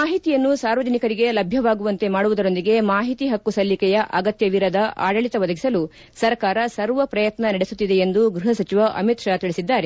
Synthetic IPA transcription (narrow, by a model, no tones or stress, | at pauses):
maːɦit̪ijɐnːusaːɾʋɐd͡ʒɐnikɐɾiɡe̞lɐbʱjɐʋaːɡuʋɐnt̪e̞maːɽuʋud̪ɐɾo̞nd̪iɡe̞maːɦit̪iɦɐkːusɐlːikɛjɐʔɐɡɐt̪jɐʋiɾɐd̪ɐʔa̰ːɖɐɭit̪ɐʋɐd̪ɐɡisɐlu | sɐɾkaːɾɐsɐɾʋɐpɾɐjɐt̪nɐnɐɽesut̪ːid̪e̞ːnd̪uɡɾiɦɐsɐt͡ʃiʋɐʔɐ̰mit̪ʃaːt̪iɭisid̪ːaːɾe